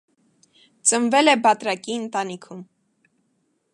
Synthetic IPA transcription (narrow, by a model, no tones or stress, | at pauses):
t͡sənvɛlɛbɑt̪ɾɑkiənt̪ɑnikʰum